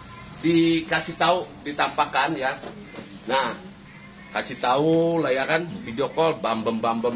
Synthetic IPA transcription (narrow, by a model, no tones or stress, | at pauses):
dikasit̪audit̪ampakanja | nah | kasit̪aulajakanbid͡ʒɔkɔlbambəmbambəm